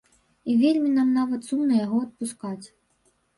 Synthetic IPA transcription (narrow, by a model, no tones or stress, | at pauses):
ivʲelʲmʲin̪amnavɐt̪sumnɐjaɣɔɐt̪̚puskat͡sʲ